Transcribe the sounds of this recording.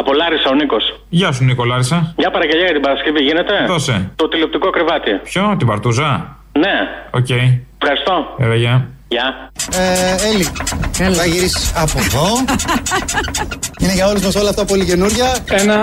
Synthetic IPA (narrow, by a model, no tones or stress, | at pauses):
ɐpo̞lɐɾisɐoniko̞s | ʝɐs̬uniko̞lɐɾisɐjɐpɐɾɐɡeʎɐjɐt̪ibɐɾɐsceviʝine̞t̪e̞ðoset̪ot̪ile̞pt̪iko̞ɐkɾivɐt̪ipçot̪ibɐɾt̪uzɐ | neoce̞jefxɐɾist̪o̞eðɐʝɐjɐeeliɐɐʝiɾisiɐpoðo̞ | ineʝɐoluzmɐso̞lɐft̪ɐpo̞lice̞nuɾʝɐenɐ